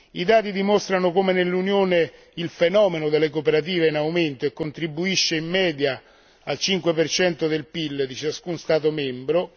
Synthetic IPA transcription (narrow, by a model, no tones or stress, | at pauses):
id̪aːt̪id̪imost̪ɾanokomenelːunjoːne | ilfenɔːmenod̪elːekopeɾat̪̬iːveinawment̪oekːont̪ɾibːuiʃːeimːɛːd̪ja | alt͡ʃiŋkwepert͡ʃɛnt̪od̪elpilːd̪it͡ʃaskunst̪aːt̪̬omɛmbɾo